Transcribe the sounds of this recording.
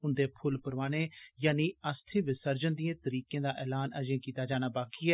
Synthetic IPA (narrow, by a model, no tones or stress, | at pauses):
ʊnd̪eːpʰʊlpəɾʋaːɽ̃ẽːjaːniːəst̪ʰeːʋɪsəɾd͡ʒənd̪ijãːt̪əɾiːkjẽːd̪aːʔɛːlaːnə̰d͡ʒẽːkiːt̪aːd͡ʒaːñaːbaːkiːɛː